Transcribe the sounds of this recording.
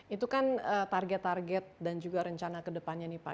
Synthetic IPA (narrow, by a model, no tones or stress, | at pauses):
it̪ukanət̪arɡɛt̪ːarɡɛt̪̚dand͡ʒuɡaɾəɲt͡ʃanakədəpanɲanipa̰